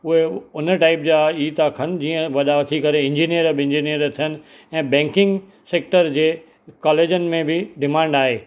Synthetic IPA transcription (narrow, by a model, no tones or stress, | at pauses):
ʊɦeʊnəʈaːɪp̚d͡ʑaiːt̪akʰɐn̆d͡ʑiːə̃ʋɐɗaʋt̪ʰikɐɾeɪ̃ɲd͡ʑiːnijəɾbɪ̃ɲd͡ʑiːnijəɾt̪ʰijənɪ̆ | ɛ̃ːbɛ̃ːŋkɪ̃ŋɡ | seːk̚ʈəɾd͡ʑeː | kaːleːd͡ʑənɪ̆mẽbɪɖɪmãːɳɖaːɦeː